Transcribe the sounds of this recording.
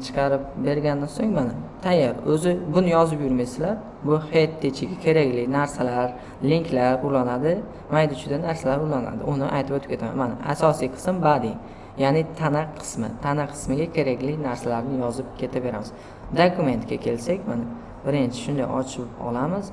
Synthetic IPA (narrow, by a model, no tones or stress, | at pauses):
t͡ʃʰɨ̥qʰɑɾɪp̚be̞ɾɡʲand̪ansoŋmanat̪ʰajːaɾɵzɪbʊnɪjɒzɪpjʊɾmajsɪlaɾ | bʊhet̪ʰːet͡ʃʰɪɡʲakʲʰe̞ɾakʲlɪkʲnaɾsalaɾ | liŋkʲʰlaɾʊlˠanad̪ɪ | majd̪ɪt͡ʃʰʊd̪anaɾsalaɾʊlˠana̰d̪ɪ̰ʔʊnɪʔa̰jt̪ʰɪbot̪ʰɪ̥pkʰʲe̞t̪ʰama̰manaasɒsijqʰɨ̥smbad̪ɪ | janɪt̪ʰanaqʰɨ̥smɪ̰t̪ʰanaqʰɨ̥smɪɡʲakʲʰe̞ɾakʲlɪkʲnaɾsalaɾnɪjɒzɪp̚kʲʰe̞t̪ʰabe̞ɾamɪz̥ | d̪okʰume̞nt̪kʲakʲʰe̞lsakʲmana | bɪɾɪnt͡ʃʰɪ̥ʃʊnd̪ajɒt͡ʃʰɪpɒ̰lˠamɪz